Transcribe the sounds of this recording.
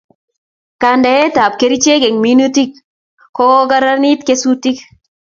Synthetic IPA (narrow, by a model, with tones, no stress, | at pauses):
ka˨nda˨je˦t̪a˨p̚ke˨ɾi˦t͡ʃe˦ɡe˨ŋminu˦ti˦k | kɔ˦ɡa˦ɾa˦ni˦t̪ke˦su˦ti˦k